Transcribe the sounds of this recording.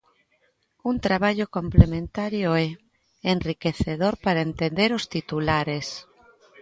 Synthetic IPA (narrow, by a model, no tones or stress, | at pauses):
unt̪ɾaβaʎokõmplemẽnt̪aɾjoɛ | enrikeθeðoɾpaɾaent̪ẽnd̪eɾost̪it̪ulaɾes